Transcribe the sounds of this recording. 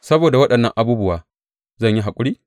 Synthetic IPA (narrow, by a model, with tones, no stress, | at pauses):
sɐ˦boː˨da˨wɐ˦ɗɐ˨nːɐ˦ŋʔa˨buː˦bʊ˦waː˨ | zɐ˦˨ɲji˦ɦa˨kʷʼʊ˦ɽiː˦